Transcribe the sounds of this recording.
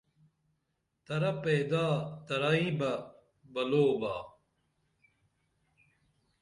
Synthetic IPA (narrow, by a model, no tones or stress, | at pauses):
t̪ɐɾɐpeːd̪aːt̪ɐɾaĩbɐ | bɐloːbaː